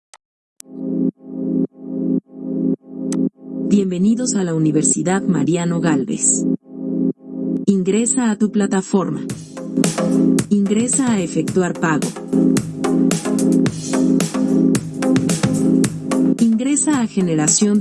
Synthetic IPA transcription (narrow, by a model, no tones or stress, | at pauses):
bje̞mbe̞niðo̞salauniβe̞ɾsiðaðma̰ɾjano̞ɣalbḛs | iŋɡɾe̞saːt̪uplat̪afo̞ɾma̰ | iŋɡɾe̞saːefekt̪waɾpaɣo̞̰ | iŋɡɾe̞saːxe̞ne̞ɾasjo̞n